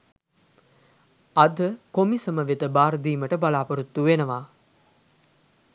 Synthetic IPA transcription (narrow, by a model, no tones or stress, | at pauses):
ɐd̪əkomisəməʋet̪əbaːɾəd̪iːməʈəbalaːpɐɾut̪ːuʋenəʋaː